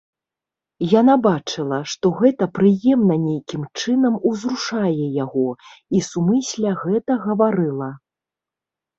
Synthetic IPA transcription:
janabat͡ʂɨlˠɐʂt̪ɔɣɛt̪ɐpɾɨjɛmnɐnʲejkʲimt͡ʂɨnɐmuzɾuʂajɛjaɣɔisumɨsʲlʲɐɣɛt̪ɐɣɐvaɾɨlˠɐ

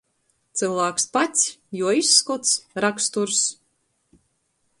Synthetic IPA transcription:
t̪sɨlˠvæːkspat̪sʲjuɔisːkɔt̪sɾakst̪uɾs

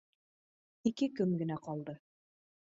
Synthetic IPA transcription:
ikɘkɵmɡɘ̆næqɑlˠd̪ɤ

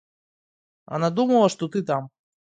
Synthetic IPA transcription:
ɐ̰nad̪umɐlˠɐʂt̪ɔt̪ɨt̪am

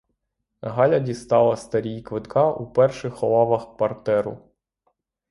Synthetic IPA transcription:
ɦɑlʲɐdʲist̪ɑlˠɐst̪ɐɾʲijkʋɪt̪kʰɑʔupɛrʃɪxɔlˠɑʋɐxkʋɐrt̪ɛɾʊ̰

